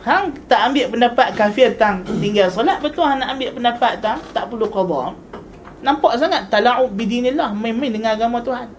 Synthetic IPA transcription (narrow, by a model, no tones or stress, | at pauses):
haŋt̪aʔambɪʔpəndapat̪̚kafɪrt̪aŋt̪iŋɡalsɔlaʔ̪̚bət̪uɦanːaʔambɪʔpəndapat̪̚t̪aŋt̪aʔpəlukɔd̪ɔm | nampaʔs̬aŋat̪ːalaʔud̪̚bidinilːahmə̃mə̃dəŋaɡamat̪uɦan